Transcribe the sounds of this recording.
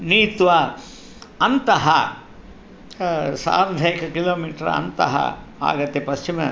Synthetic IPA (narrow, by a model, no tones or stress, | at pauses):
niːt̪ʋa | ɐnt̪ɐɦɐ | sa̰ːɾɐd̪ʱɐjkɐkiloːmiːʈɾɐ̰nt̪ɐ̰ɦɐ̰a̰ːɡɐt̪ːepɐst͡ʃimɐ